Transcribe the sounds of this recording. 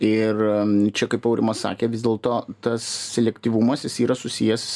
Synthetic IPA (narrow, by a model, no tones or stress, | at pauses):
ɪrt͡ʃʲɛkɐɪpɐʊɾʲʔɪ̰mɐssɑ̰ːkʲeːʋʲɪzd̪ʲeːlˠt̪oːt̪ɐssʲɛlʲɛkt̪ʲiːʋumɐsjɪsiːɾɐsʊsʲijɛs